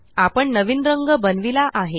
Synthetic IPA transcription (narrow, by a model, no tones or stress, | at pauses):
apəɳnəʋinɾəŋɡəbənʋilaʔaɦe